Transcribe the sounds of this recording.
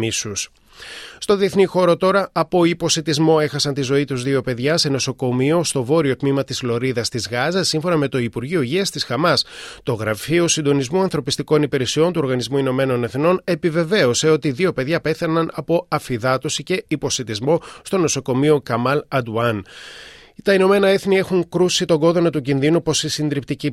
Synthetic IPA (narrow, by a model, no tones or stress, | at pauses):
isus | st̪o̞ðieθnixo̞ɾo̞t̪o̞ɾɐɐpo̞ipo̞sit̪izmo̞e̞xɐsɐnt̪izo̞it̪uzðio̞pe̞ðʝɐse̞no̞so̞ko̞mio̞st̪o̞vo̞ɾio̞t̪mimɐt̪izlo̞ɾiðɐst̪izɣɐzɐsːiɱfo̞nɐme̞t̪o̞ipuɾʝio̞ʝiɐst̪isxɐmɐst̪o̞ɣɾɐfio̞sind̪o̞nizmuɐnθɾo̞pist̪iko̞nipeɾesio̞nt̪uo̞ɾɣɐnizmuino̞me̞nonɐθino̞ne̞pive̞ve̞o̞se̞o̞t̪iðio̞pe̞ðʝɐpe̞θɐnɐnɐpo̞ɐfiðɐt̪o̞sice̞ipo̞sit̪izmo̞st̪o̞no̞so̞ko̞mio̞kɐmɐlɐd̪uɐn | t̪ɐino̞me̞nɐe̞θnie̞xuŋkɾusit̪o̞ɡo̞ðonɐt̪ucinðinupo̞sisind̪ɾipt̪ici